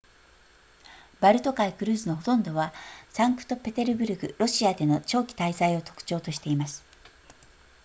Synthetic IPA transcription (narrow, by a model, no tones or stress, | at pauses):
baɾɯ̟t̪o̞kaikɯ̟ɾɯ̟ːzɨno̞ɦo̞t̪õ̞nd̪o̞βasãŋkɯ̟̥t̪o̞pe̞t̪e̞ɾɯ̟bɯ̟ɾɯ̟ɡɯ̟ɾo̞ɕiad̪e̞no̞t͡ɕo̞ːkʲi̥t̪aisaio̞t̪o̞̥kɯ̥t͡ɕo̞ːt̪o̞ɕi̥t̪e̞imasɨ̥